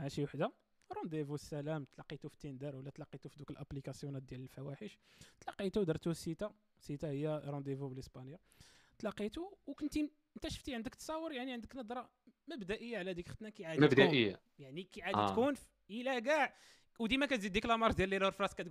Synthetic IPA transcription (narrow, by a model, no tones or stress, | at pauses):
hæʃiwaħd̪a | ɾˤɑ̃nd̪evusːælæmt̪lɑqːit̪ufi̥t̪ːind̪əɾwəlːæt̪lɑqːit̪ufid̪ukəlʔæplikæsjunæt̪̚d̪jæləlfæwæħəʃt̪lɑqːit̪ud̪ɑɾˤt̪usit̪a | sit̪ahəjːæɾˤɑ̃nd̪evubləsbɑnja | t̪lɑqːit̪uwkʊnt̪i | ənt̪æʃəft̪iʕənd̪əkt̪sˤɑwːəɾjaʕniʕənd̪əknɑd̪ɾˤɑ | məbd̪æʔəjːaʕlæd̪ikxət̪nækiʕad̪əbd̪æʔəjːa̰ | jaʕnikiʕaditkunf | ilæɡaʕ | wd̪imækæt̪zid̪ːiklæmɑɾˤd̪jælːilhʊɾfɾˤɑskæt̪